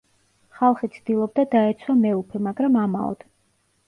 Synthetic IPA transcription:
χalˠχit̪sʰd̪̥ilˠɔb̚d̪ad̪aɛt̪sʰwamɛupʰɛmaɡɾamama̰ɔ̰d̪̥

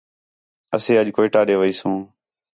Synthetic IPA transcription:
əsẽːəʄkoːɪːʈaːɗeːʋəiːsũː

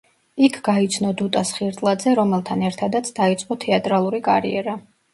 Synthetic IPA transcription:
ikʰɡait̪sʰnɔd̪ut̪ʼasχiɾt̪ʼlˠad̪zɛɾɔmɛlˠt̪ʰanɛɾt̪ʰad̪at̪sʰd̪̥ait̪sʼqʼɔt̪ʰɛat̪ʼɾalˠuɾikʼaɾḭɛɾa

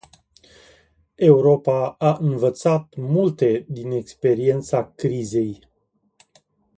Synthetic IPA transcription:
e̞uɾo̞paaʔɨnvət̪sat̪mult̪e̞d̪ine̞kspe̞ɾie̞nt̪sakɾize̞j

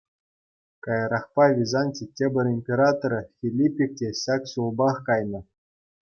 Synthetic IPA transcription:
kɑjɤɾɑχpɑvʲizɑnʲtʲitʲebʲɘ̆rʲimʲpʲeɾɑt̪oɾɤ̆fʲilʲipʲːik̚tʲeɕɑksulˠbɑχkɑjnɤ̆

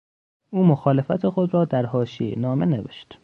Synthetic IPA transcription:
ʔuːmoxɒːle̞fæt̪ʰexo̞d̪ɾɒːd̪æɾɦɒːʃiḛnɒːme̞nevḛʃt̪

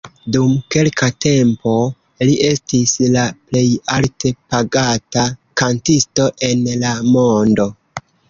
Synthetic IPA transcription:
dumke̞lkate̞mpo̞ | liʔe̞stislaple̞jalte̞paɡatakantisto̞ʔe̞nlamo̞ndo̞

